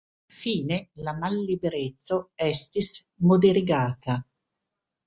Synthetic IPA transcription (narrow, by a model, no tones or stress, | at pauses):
iɱfiːnelamalːibeɾet̪sːoɛst̪ismod̪eɾiɡaːt̪a